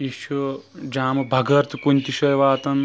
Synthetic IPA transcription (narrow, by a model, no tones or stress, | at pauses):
iʃɐ | d͡ʒaːmɐbʱɐɡɐɾt̪ʰkunʲt̪iʃɐjʋaːt̪ɐn